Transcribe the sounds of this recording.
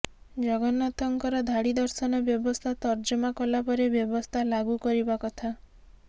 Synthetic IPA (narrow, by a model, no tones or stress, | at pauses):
d͡ʒɔɡɔnɔt̪ɔŋkɔɾɔd̪ʱaɽid̪ɔɾsɔnɔbjɔbɔst̪ʰat̪ɔɾd͡ʒɔmakɔlapɔɾebjɔbɔst̪ʰalaɡukɔɾibakɔt̪ʰa